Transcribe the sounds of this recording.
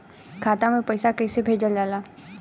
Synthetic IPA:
kʰaːt̪amẽpɐɪsakɛːsebʱeːd͡ʒəld͡ʒaːlaː

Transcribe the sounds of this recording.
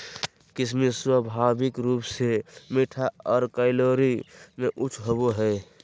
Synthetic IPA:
kɪsmiswəbʱaːbɪkɾuːpsemiʈʰaɔːɾkaɪloɾimeʔʊt͡ʃʰɦoboɦɛː

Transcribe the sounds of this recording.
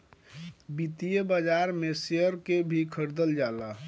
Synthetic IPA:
bit̪ijəbəd͡ʒaɾmesijəɾkebʱikʰəɾd̪əld͡ʒala

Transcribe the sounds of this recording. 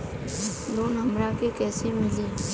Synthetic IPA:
loːnɦəmɾakekɛːsemɪleː

